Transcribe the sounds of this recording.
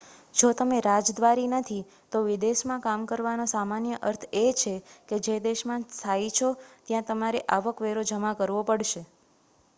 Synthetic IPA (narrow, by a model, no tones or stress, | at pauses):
d͡ʒot̪əmeɾad͡ʒd̪ʋaɾinət̪ʰi | t̪oʋid̪eʃmãkamkəɾʋanosamanjəʔəɾt̪ʰet͡ʃʰeked͡ʒed̪eʃmãst̪ʰait͡ʃʰot̪jãt̪əmaɾeʔaʋəkʋeɾod͡ʒəmakəɾʋopəɽʃe